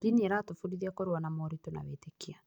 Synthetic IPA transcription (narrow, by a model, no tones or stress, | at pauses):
d͡ʒinieɾatofuɾiðiakoɾwanamɔɾitona̰βetekia